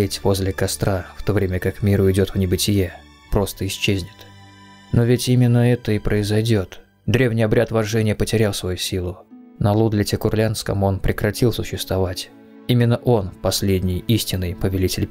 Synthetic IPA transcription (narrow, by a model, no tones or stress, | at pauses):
etʲvo̞zʲlʲɪkɐst̪ɾaft̪o̞vɾʲemʲəkakmʲiɾʊɪdʲo̞t̪vnʲɪbɨtʲɪje | pɾo̞st̪əɪsʲt͡ɕːezʲnʲɪ̥t̪ | no̞vʲɪtʲimʲɪnːəɛt̪əɪpɾʔəɪzɐjdʲo̞t̪ | d̪ɾʲe̞vnʲɪjɐbɾʲat̪vɐʐɛnʲɪjəpətʲɪɾʲafˠsvɐjusʲilˠʊ | nəlˠud̪lʲɪtʲɪkʊrlʲanskə̰mo̞npɾʲɪkɾɐtʲilˠsʊɕːɪst̪vɐvatʲ | imʲɪnːəʔo̞nfpɐsʲlʲedʲnʲɪjisʲtʲɪnːɨjpəvʲɪlʲitʲɪlʲ